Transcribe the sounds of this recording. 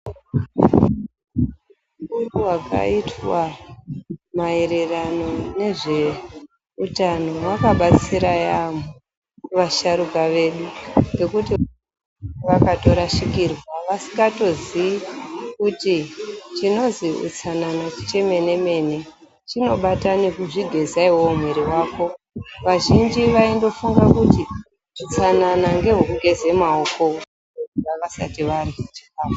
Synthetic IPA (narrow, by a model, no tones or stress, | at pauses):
ukuruwaka̰itwa | mae̞ɾe̞rano̞ne̞ʐe̞ | utanowakaɓat͡siɾajamu | ʋaʃaɾukaʋe̞ɗuŋɡe̞kuti | ʋakato̞ɾaʃikirwaʋasiŋɡato̞ziikutit͡ʃino̞ziṵt͡sananat͡ʃi̥t͡ʃe̞me̞ne̞me̞ne̞ | t͡ʃino̞ɓatanikuʐiɡʱe̞zaiwoum̤weɾiwaːko̞ | ʋaʒind͡ʒiʋaindo̞fuŋɡakuti | ʐ̥ut͡sananaŋɡe̞ɦokuɡʱe̞ze̞maoko̞ | etuaʋasa̰tiʋariet͡ʃi̥kaːfḁ